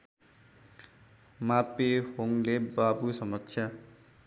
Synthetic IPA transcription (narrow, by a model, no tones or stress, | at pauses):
mapehoŋlebabusʌmʌtːsʰja